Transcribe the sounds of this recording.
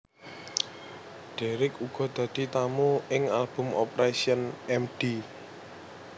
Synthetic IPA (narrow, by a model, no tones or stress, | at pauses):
ɖ̥eɾɪkuɡ̥ɔ̤d̪̥ä̤d̪̥i̤t̪amuɪŋalb̥ʊ̤mɔpɾasiənɛmɖ̥i